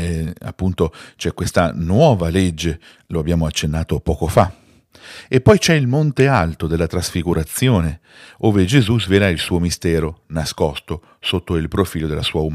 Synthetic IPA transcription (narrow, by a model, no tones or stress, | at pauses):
a̰pːunt̪ot͡ʃɛkːwest̪anwɔːvaled͡ʒːe | loabːjaːmoat͡ʃːenːaːt̪opɔːkofa | epːɔjt͡ʃɛilmont̪ealt̪od̪elːat̪ɾasfiɡuɾat̪sːjoːne | oːved͡ʒezuzvelailsuːomist̪ɛːɾonaskɔst̪o | sot̪ːoilpɾofiːlod̪elasuːaum